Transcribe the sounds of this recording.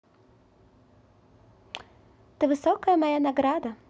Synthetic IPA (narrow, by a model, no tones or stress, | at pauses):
t̪ɨvɨsɔkəjəmajanaɡɾad̪ɐ